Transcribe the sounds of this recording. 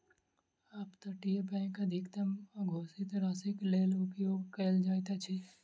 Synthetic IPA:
aːpt̪ɐʈijepɛ̃kɐd̪ʱɪkt̪ɐmɡʱoːsɪt̪ɾaːsɪkleːlʊpjoːɡkeld͡ʒaːt̪at͡ʃʰi

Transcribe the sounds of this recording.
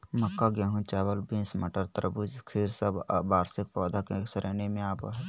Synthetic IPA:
məkːaɡjaːɦũt͡ʃaːwəlbĩːnsməʈəɾt̪ɾbud͡ʒkʰiːɾsəbbaːɾsɪk̚pɔːd̪ʱakeksəɾʔeːnemẽaːpoɦɛː

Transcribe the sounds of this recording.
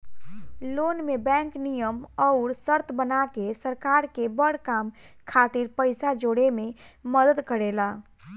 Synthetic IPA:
lonmebɛ̃ŋknijəmɔʊɾsəɾt̪ʰbənakesəɾkaɾkebəɽ̤kam | kʰat̪iɾpəɪsad͡ʒoɽememəd̪əd̪kəɾela

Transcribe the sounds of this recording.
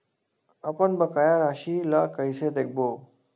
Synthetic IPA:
əpəɳbəkajaɾaɕilakəjɕed̪ek̚ʰbo

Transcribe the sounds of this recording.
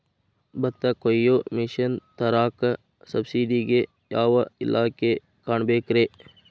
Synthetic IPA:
bɐt̪ːɐkojomɪʃənt̪ɐɾaːk | sɐbsiːɖiɡe | jaːʋɐɪ̰lʔaːke | kaɳbeːkɾeː

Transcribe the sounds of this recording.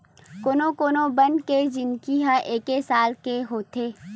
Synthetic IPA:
koːnõkoːnõbɐ̃ndked͡ʒɪnkiɦãʔeːkesaːlkeɦoːt̪eː

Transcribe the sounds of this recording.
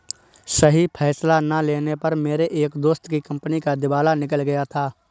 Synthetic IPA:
sɐɦipʰɛːslanaleːnepɐɾmeːɾeʔeːkd̪oːst̪kikɐ̃mpnikad̪ɪbaːlanɪk̬əlɡɐjat̪ʰaː

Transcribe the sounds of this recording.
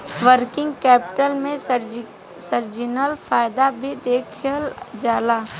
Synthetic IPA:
ʋəɾkɪ̃ŋɡkɛːpɪʈəlmẽɾ | səɾd͡ʒɪnəlfʰaːjd̪abʱid̪eːkʰəld͡ʒaːlaː

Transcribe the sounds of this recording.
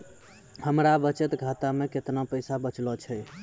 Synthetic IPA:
həmɾabət͡ʃət̪ɡʱat̪ameket̪napəjsabət͡ʃlɔt͡ʃʰɛ

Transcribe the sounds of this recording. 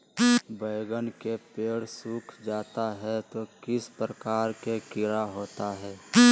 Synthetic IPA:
bəɪɡənkepeːɽsʊkʰd͡ʒaːt̪aɦɛt̪okɪspɾəkaːɾkekɪɾaɦoːt̪aɦɛː

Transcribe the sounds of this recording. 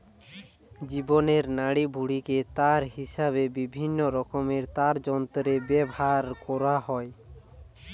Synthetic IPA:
d͡ʒibɔneɾnaɽibʱuɽiket̪aɾɦisaβebibʱinːɔɾɔkɔmeɾt̪aɾd͡ʒɔnt̪ɔɾebɛbaɾkɔɾaɦɔe

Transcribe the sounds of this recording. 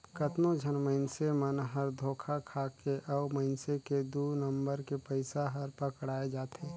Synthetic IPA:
kət̪nod͡ʒʱənməɪnsemənɦəɾd̪ʱoːkʰakʰaːkeʔɔːməɪnseked̪unə̃mbəɾkepəɪsaɦɐɾpəkɽaːed͡ʒaːt̪eː

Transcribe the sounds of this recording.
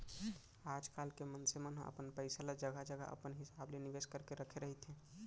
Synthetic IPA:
ad͡ʒkalkemənsemənɦə̰̃ʔə̰pənpəɪsalad͡ʒəɡad͡ʒəɡa̰ʔə̰pənɦisableniʋeskəɾkeɾəkʰeɾəɦit̪ɦɛ̃

